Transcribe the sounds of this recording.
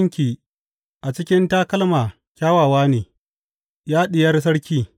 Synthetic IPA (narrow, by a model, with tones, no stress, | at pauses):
ŋkʲiː˨ | ʔa˨t͡ʃɪ˦kʲɪ˦ntaː˦kɐ˦lmaː˨ | kʲaː˦waː˨waː˦neː˨ | jaː˦ɗɪ˨jɐ˦rs̬ɐ˦ɽkʲiː˦